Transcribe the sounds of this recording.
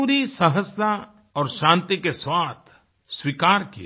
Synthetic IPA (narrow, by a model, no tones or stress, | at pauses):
uːɾisəɦəst̪ʰa | ɔːɾʃãːnt̪ikeswaːt̪ʰ | swikaːɾkḭe